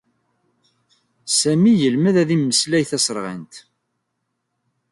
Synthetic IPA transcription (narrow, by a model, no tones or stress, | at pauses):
sæmijəlməðæðimːəslæjθæsˤɾˤʁə̰nt̪